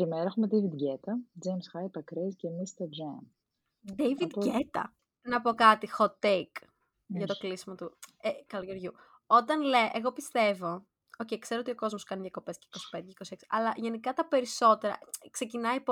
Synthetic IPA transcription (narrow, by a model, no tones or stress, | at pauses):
imeɾɐexumed̪ejvid̪ɟet̪ɐd͡ʒejmsxɐjpɐkɾescemist̪eɾd͡ʒɐm | d̪eivid̪ʝet̪ɐ̰ | nɐpo̞kɐt̪ixot̪ek | ʝɐt̪o̞klisimɐt̪uekɐlojoɾʝu | o̞t̪ɐnleʔeɣo̞pist̪e̞vo̞ | oceikse̞ɾoot̪io̞ko̞zmoskɐniðʝɐko̞pe̞sce̥iko̞si̥pend̪eceiko̞sie̞ksi̥ʔɐlɐʝe̞nikɐt̪ɐpe̞ɾiso̞t̪e̞ɾɐ̰kse̞cinɐip